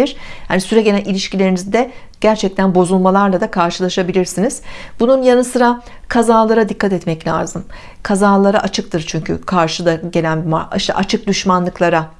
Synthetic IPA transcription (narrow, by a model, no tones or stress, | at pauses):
iɾ̥ha̰nisyɾɛɟe̞lʲænilʲiʃcilʲe̞ɾinizd̪ɛ | ɟ̥æɾt͡ʃʰɛc̚t̪ʰænbo̞zulˠmalˠaɾlˠad̪akʰaɾʃɯlˠaʃabilʲiɾsiniz̥bununjanɯsɯɾa | kʰazaːlˠaɾad̪ikʰːat̪ɛt̪mɛclʲa̰ːzɯm | kʰazaːlˠaɾaʔat͡ʃʰɯkt̪ʰɯɾt͡ʃʰyɲcʰy̰kʰaɾʃɯd̪aɟe̞lʲænbima̰iʃt̪ʰa̰ʔat͡ʃʰɯk̚d̪yʃmanlˠɯklˠaɾa